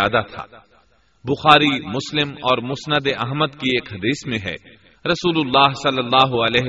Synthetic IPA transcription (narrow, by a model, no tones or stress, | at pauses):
aːd̪at̪ʰa̰ː | bʊxaːɾimʊslɪmɔːɾmʊsnəd̪eʔɐɦməd̪kieːkɦɐd̪iːsmẽɦɛ̰ː | ɾɐsuːlʊlːaːɦsɐlːəlːaːɦʊɐlɛːɦ